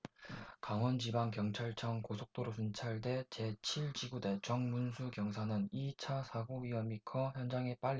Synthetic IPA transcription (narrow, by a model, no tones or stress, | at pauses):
kaŋwʌnd͡ʑibaŋkjʌŋt͡ɕʰaɭt͡ɕʰʌŋkosʰok̚t͈oɾosʰunt͡ɕʰaɭde̞t͡ɕe̞t͡ɕʰiɭt͡ɕiɡude̞t͡ɕʌŋmunsʰukjʌŋsʰanɯnit͡ɕʰasʰaɡuɥiʌmikʰʌçjʌnd͡ʑaŋe̞p͈aʎːi